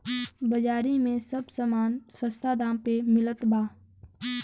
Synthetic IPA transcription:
bəd͡ʒaːɾimẽsəbsəmaːnsə̃st̪ʰad̪ãːmpemɪlət̪baː

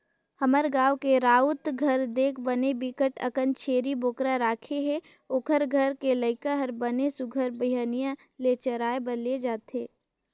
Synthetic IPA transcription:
hɐməɾɡaːʋkeɾaːʊt̪ɡʱɐɾd̪eːkʰbɐnebikəʈɐ̰kənt͡ʃʰeːɾiboːkɾaɾaːkʰeɦɛ | oːkʰəɾɡʱəɾkelɐɪkaɦəɾbənesʊɡʱəɾbɐjaːnijã | let͡ʃəɾaːebɐɾled͡ʒaːt̪eː

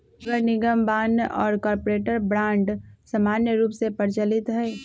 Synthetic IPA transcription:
ɐɡəɾnɪɡəmbaːnʔɔːɾkɔːɾpoɾeːʈəɾbɾãːɳɖsəmaːnjəɾuːpsepəɾt͡ʃəlɪt̪ɦɛː

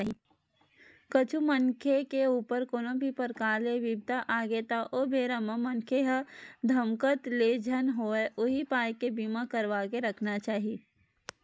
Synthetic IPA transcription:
ɦi | kət͡ʃʰumənkʰekeuːpəɾkoːnõbʱipəɾkaːɾleʋɪb̚t̪aʔaːɡet̪aʔoːbeːɾəməmənkʰeɦəd̪ʱəmkət̪led͡ʒʱənɦoeʔʊɦipaːjkebimakəɾʋaːkeɾəkʰnat͡ʃaːɦi

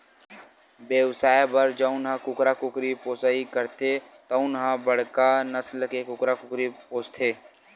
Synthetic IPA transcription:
bjeʋsaːjbəɾd͡ʒəʊnɦãkʊkɾakʊkɾipoːsaːikəɾt̪ʰet̪əʊnɦãbəɽ̤kanəslkekʊkɾakʊkɾipoːst̪ʰeː

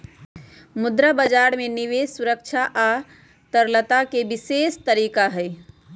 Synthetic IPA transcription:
mud̪ɾəbəd͡ʒaɾmeniʋessuɾək̚t͡ʃʰaʔa | t̪əɾlət̪akebisest̪əɾiːkaɦəj

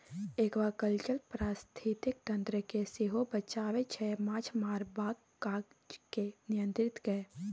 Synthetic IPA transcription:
eːkʋakəlt͡ʃəlpɾaːst̪ʰit̪ɪk̚t̪ɐ̃nt̪ɾəkeseɦobət͡ʃaːʋet͡ʃʰɛmãːt͡ʃmaːɾbaːɡ | kaːɡ | d͡ʒkenɪjə̃nt̪ɾɪt̪kɛ

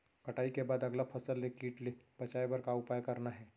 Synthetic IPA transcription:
kəʈaikebaːd̪əɡlapʰəsəlːekiːʈlebət͡ʃaebəɾkaupajkəɾnaɦɛː

